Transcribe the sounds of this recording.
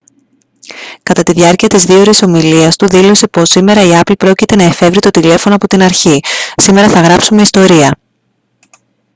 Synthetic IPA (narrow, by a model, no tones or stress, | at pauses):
kɐt̪ɐt̪iðʝɐɾciɐt̪izðioɾiso̞miliɐst̪uðilo̞se̞po̞sime̞ɾɐiɐplipɾo̞cit̪e̞nɐefe̞vɾit̪o̞t̪ile̞fo̞no̞ɐpo̞t̪inɐɾçisime̞ɾɐθɐɣɾɐpsume̞ist̪o̞ɾiɐ